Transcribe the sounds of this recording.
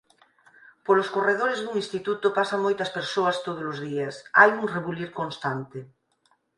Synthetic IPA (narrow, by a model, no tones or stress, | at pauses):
poloskoreð̞oɾezðuŋĩnst̪it̪ut̪opasɐmojt̪ɐspeɾsoɐst̪oð̞olʊzðiɐsajuŋreβuliɾkonst̪ant̪e